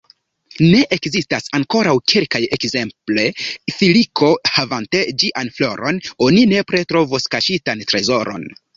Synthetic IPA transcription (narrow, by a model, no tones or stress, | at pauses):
ne̞ʔekzistasaŋko̞ɾawkʰelkaje̞kze̞mple̞filikʰo̞havante̞d͡ʒiʔanflo̞ɾo̞no̞nine̞pɾe̞tɾo̞voskaʃitantɾe̞zo̞ɾo̞̰n